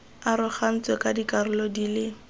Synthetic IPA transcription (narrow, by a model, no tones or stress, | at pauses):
aɾʊχan̩t͡swɛkʼadikʼarʊlɔdilɪ